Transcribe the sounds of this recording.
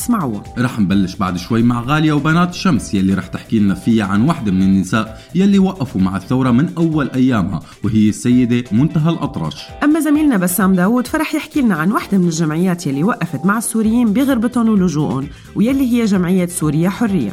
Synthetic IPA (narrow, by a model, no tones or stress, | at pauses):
ɪ̥smaʕṵːɾˤɑːħnbalːɪʃba̰ʕd̪ʃwajːmaʕɣaːljawbanaːt̪ʃːamsjalːiɾˤɑːħt̪ɪħkiːlnafijaʕanwaħd̪amɪnɪnːɪsaːʔ | jalːiwaʔːafumaʕɪθːawɾˤɑmɪnʔawːalʔajːaːmha̰ | wɦɪjːɪsːajːɪd̪emʊnt̪aɦalʔɑt̪ˤɾˤɑ̰ːʃʔamːazamiːlnabasːaːmd̪aːwuːd̪faɾˤɑːħjɪħkiːlnaʕanwaħd̪amɪnɪlʒamʕɪjːaːt̪jalːiwaʔːafat̪maʕɪsːuːɾɪjːiːnbiɣʊɾbɪt̪ʊnwlʊʒuːʔʊn | wjalːiɦɪjːaʒamʕɪjːaːt̪suːɾɪjːaħʊrːɪjːa̰